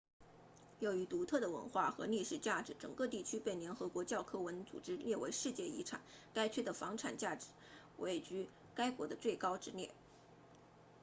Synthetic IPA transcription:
jo˧˥˩ʊy˧˥t̪u˧˥t̪ʰɤ˥˩d̪ə˩wə̰˧˥nxwa˥˩xɤ̰˧˥li˥˩ʂɻ̩˨˩t͡ɕja˥˩ʈ͡ʂɻ̩˧˥ʈ͡ʂɤ˨˩ŋkɤ˥˧t̪i˥˩t͡ɕʰy˥pe˥˩ɪljɛ˧˥nxɤ˧˥kwɔ˧˥t͡ɕjɑ˥˩ʊkʰɤ˥wə˧˥nt͡sṵ˨˩ʈ͡ʂɻ̩˥ljɛ˥˩we˧˥ɪʂɻ̩˥˧t͡ɕjɛ˥˩ḭ˧˥ʈ͡ʂʰa̰˨˩˦nka˥ɪt͡ɕʰɛ˥d̪ə˨˩fɑ˧˥ŋʈ͡ʂʰa̰˨˩nt͡ɕja˥˩ʈ͡ʂɻ̩˧˥ | wʔe˧˩ɪt͡ɕy˧˥ | ka˥ɪkwɔ˧˥d̪ə˧t͡swe˥˩ɪkɑ˥ʊʈ͡ʂɻ̩˧˥ljɛ˥˩

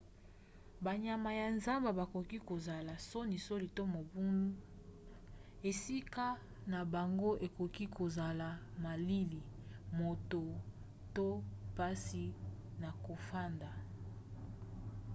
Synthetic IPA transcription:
ba˨ɲa˨ma˨ja˨nza˦mba˨ba˨ko˨ki˦ko˨za˨la˨so˦ni˨so˦li˨to˦mo˨bu˦nu˦ | e˨si˦ka˦ | na˨ba˨ŋɡo˦ʔe˨ko˨ki˦ko˨za˨la˨ma˨li˦li˨mo˨to˨ | to˦pa˦si˨na˨ko˨fa˦nda˨

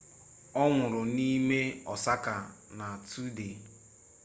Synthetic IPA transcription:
ɔ˦ŋʷʊ˨ɾʊ˨ni˦me˦ɔ˨sa˦ka˨ | na˨tu˦de˨

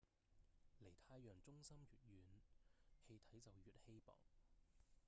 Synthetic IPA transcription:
le˨˩jt̪ʰaː˧jːœː˨˩ŋt͡sʊ˥ŋsɐ˥mɥyː˨t̚ɥyː˨˧nhe˧jt̪ʰɐ˨˥jt͡sɐ˨wjyː˨t̚he˥jpɔ̰ː˨ŋ

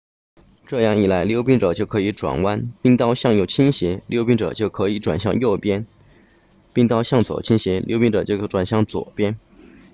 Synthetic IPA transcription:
ʈ͡ʂɤ˥˧jɑ˥˩ŋi˨˩la˧˥ɪljo˥ʊpi˥ŋʈ͡ʂɤ˨˩t͡ɕjo˥˩ʊkʰɤ˧˥i˧˥ʈ͡ʂwa̰˨˩nwa˥npi˥ŋt̪ɑ˥ʊɕjɑ˥˧ŋjo˥˩ʊt͡ɕʰi˥nɕi˧˥ljo˥˧ʊpi˥ŋʈ͡ʂɤ̰˨˩t͡ɕjo˥˩ʊkʰɤ˧˥i˧˥ʈ͡ʂwa̰˨˩nɕjɑ˥˧ŋjo˥˩ʊpjɛ˥n | pi˥˧ŋt̪ɑ˥˧ʊɕjɑ˥˩ŋt͡swɔ̰˨˩t͡ɕʰi˥nɕi˧˥ljo˥ʊpi˥nʈ͡ʂɤ˨˩t͡ɕjo˥˩ʊʈ͡ʂwa˨˩nɕjɑ˥˩ŋt͡swɔ̰˨˩pjɛ˥n

